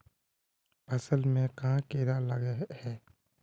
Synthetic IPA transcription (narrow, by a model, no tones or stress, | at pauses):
pɐsəlmẽkɐɦãkeːɾalɐɡehɛː